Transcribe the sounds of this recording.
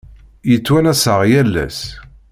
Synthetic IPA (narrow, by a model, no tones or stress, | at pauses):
jət͡sːwænæsəʁjælːæ̰s